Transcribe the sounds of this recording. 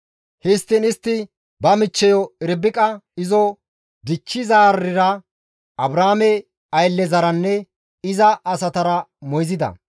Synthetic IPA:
hɪst̪ːɪnɪst̪ːɪ | bɐmɪt͡ʃːɛjɔɪɾbɪkʼɐɪzɔ | d̪ɪt͡ʃːɪzaːɾːɪɾɐ | ʔɐbɾaːmɛ | ɐjlːɛzɐɾɐnːɛ | ɪzɐʔːsɐt̪ɐɾɐmɔjzɪd̪ɐ̰

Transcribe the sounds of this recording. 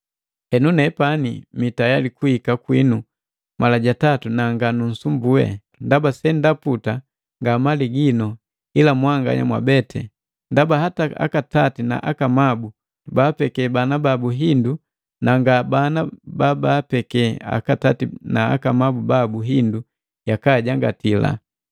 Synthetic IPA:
ɛnunɛpanimitajalikuikakwinu | malaɟatatunaŋɡanun̩sumbuɛ̰ | ndabasɛndaputa | ŋɡamaliɡinɔ | ilamwaŋɡa̰ɲa̰mwa̰bɛtɛ̰ | ndabaɦataa̰katatina̰ʔakamabu | ubaːpɛkɛbanababuɦindu | naŋɡabanababaːpɛkɛa̰katatinaa̰kamabubabuɦindu | jakaɟaŋɡa̰tila̰

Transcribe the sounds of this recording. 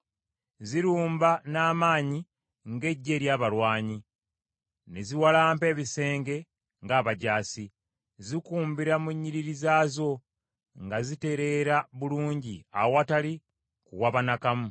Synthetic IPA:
ziɾuːmbanaːmaːɲi | ŋɡe̞ɟːe̞ːɾjaːβalwaːɲi | ne̞ziwalaːmpe̞ːβise̞ːŋɡe̞ | ŋɡaːβaɟaːsi | zikuːmbiɾamuɲːiɾiɾizaːzo̞ | ŋɡazite̞ɾe̞ɾaβuluːɲɟia̰watali | kṵwaβanakamu

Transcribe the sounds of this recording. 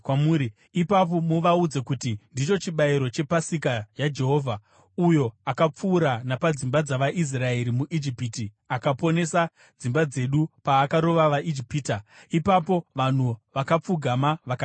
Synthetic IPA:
kwamuɾi | ipap̬o̞moʋaud͡zekutindit͡ʃo̞t͡ʃiɓaiɾo̞t͡ʃe̞pasikajad͡ʒe̞ɦo̞ːvʱa | ujo̞akap͡fuːɾanapad͡zimbad͡zaʋaʔis̬rae̞ɾimuʔid͡ʒipiti | akapo̞ne̞sa | d͡zimbad͡ze̞ɗupaːkaɾo̞ʋaʋaʔid͡ʒipiːtaipapo̞ʋan̤uʋakap͡fuɡʱamaʋak

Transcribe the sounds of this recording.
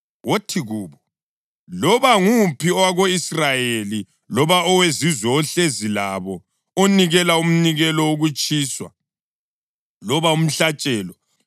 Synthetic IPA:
wotʰiɣuːβɔ | lɔβaŋupʰiɔwaɣoisrajeli | lɔβaɔwezizwɛɔɬezilaβɔ | oniɣɛlaum̩niɣɛlɔwoɣut͡ʃʼiːswa̰ | lɔβaum̩ɬat͡ʃʼɛːlɔ

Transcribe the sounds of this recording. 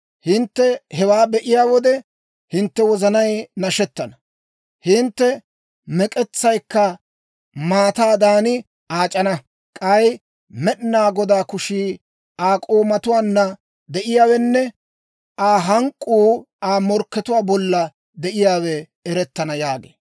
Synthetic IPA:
hɪnt̪ːɛhɛwaːbɛʔɪjaːwɔd̪ɛ | hɪnt̪ːɛwɔzɐnɐjnɐʃɛt̪ːɐnɐ | hɪnt̪ːɛ | mɛkʼɛt͡sːɐjkːɐ | maːt̪aːd̪aːnɪ | aːt͡ʃʼɐnɐ | kʼɐj | mɛɗnaːɡɔd̪aːkʊʃiː | aːkʼoːmɐt̪ʊwaːnːɐ | d̪ɛʔɪjaːwɛnːɛ | ʔaːɦɐŋkʼːuː | aːmɔɾkːɛt̪ʊwaːbɔlːɐ | d̪ɛʔɪjaːwɛ | ɛɾɛt̪ːɐnɐjaːɡḛː

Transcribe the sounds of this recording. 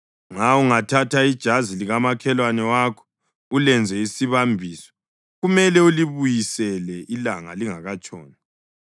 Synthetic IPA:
ŋauŋatʰatʰaid̥ʒ̥ʱaziliɣamakʰɛlwanɛwakʰɔ̥ | ulɛnd͡zʱɛisiβambʱiːsɔ̥ | ɣumɛlɛuliβujisɛlɛʔilaŋa̰liŋaɣat͡ʃʼɔ̰ːna

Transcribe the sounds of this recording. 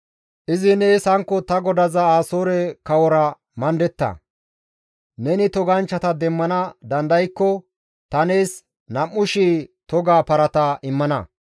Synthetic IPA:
ʔɪzɪneːsɐŋkːɔt̪ɐɡɔd̪ɐzɐaːsoːɾɛkɐwɔɾɐ | mɐnd̪ɛt̪ːɐ̰ | nɛnɪt̪ɔɡɐnt͡ʃːɐt̪ɐd̪ɛmːɐnɐd̪ɐnd̪ɐjkːɔ | t̪ɐne̞ːs | nɐmːʊʃiːt̪ɔɡaːpɐɾɐt̪ɐʔɪmːɐnɐ̰

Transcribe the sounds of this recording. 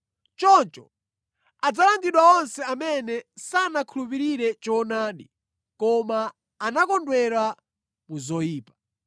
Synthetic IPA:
t͡ʃɔnt͡ʃɔ | ad͡zalaŋɡiɗwaɔnsɛamɛnɛsanakʰulupiɾiɾɛt͡ʃɔnaːɗi | kɔmaː | nakɔndwɛɾa | muzɔjiːpḁ

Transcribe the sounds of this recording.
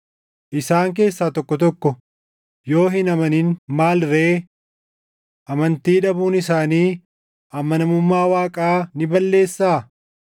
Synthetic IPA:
ʔɪsaːŋk̬e̞ːsːaːt̪ɔkːɔt̪ɔkːɔ | jo̞ːɦɪnɐmɐniːnmaːlɾeː | ʔɐmɐnt̪iːᶑɐbuːnɪsaːniː | ʔɐmɐnɐmʊmːaːwaːkʼaːnɪbɐlːe̞ːsːaː

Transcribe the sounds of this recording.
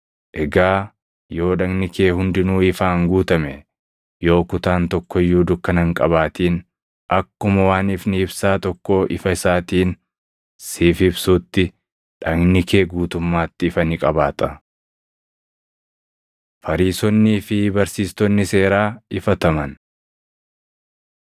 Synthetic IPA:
ʔɛɡaː | jo̞ːᶑɐɡnɪke̞ːhʊnd̪ɪnuːɪfaːŋɡuːt̪ɐmɛ | jo̞ːkʊt̪aːnt̪ɔkːɔjːuːd̪ʊkːɐnɐŋkʼɐβaːt̪iːn | ʔɐkːʊmɐwaːnɪfnɪɪbsaːt̪ɔkːoːʔɪ̰fɐɪsaːt̪iːn | sɪːfbsuːt̪ːɪ | ᶑɐɡnɪke̞ːɡuːt̪ʊmːaːt̪ːɪːfɐnɪkʼɐbaːt̪ɐ | fɐɾiːsɔnːɪfɪbɐɾsiːst̪ɔnːɪse̞ːɾaːɪfɐt̪ɐmɐn

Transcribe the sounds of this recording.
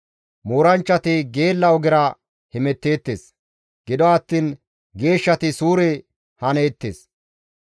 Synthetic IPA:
moːɾɐnt͡ʃːɐt̪ɪɡe̞ːlːɐɔɡɪɾa | hɪmɛt̪ːe̞ːt̪ːeːs | ɡ̥ɪd̪ɔɐt̪ːiːn | ɡe̞ːʃːɐt̪ɪsuːɾe | hɐneːt̪ːḛːs

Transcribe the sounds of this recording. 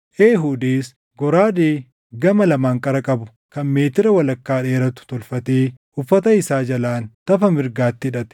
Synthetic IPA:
ʔeːɦuːd̪iːs | ɡɔɾaːd̪eː | ɡɐmɐlɐmaːŋkʼɐɾɐkʼɐbʊ | kɐnme̞ːt̪ɪɾɐwɐlɐkːaːᶑeːɾɐt̪ʊ̥t̪ɔlfɐt̪eːʔʊfːɐt̪ɐɪsaːd͡ʒɐlaːnt̪ɐfɐmɪɾɡaːt̪ːɪɪᶑɐt̪ɛ̥

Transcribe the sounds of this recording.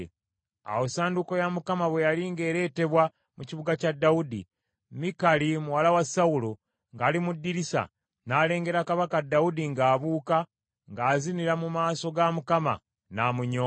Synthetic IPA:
a̰wosaːnduko̞jamukamaβwe̞jaliŋɡe̞ːɾe̞ːte̞βwa | muciβuɡacadːaudḭ | mikalimuwalawasaulo | ŋɡaːlimudːiɾisa̰ | naːle̞ːŋɡe̞ɾakaβakadːaudiŋɡaːβuːka | ŋɡaːziniɾamumaːso̞ɡamukama̰ | naːmuɲo

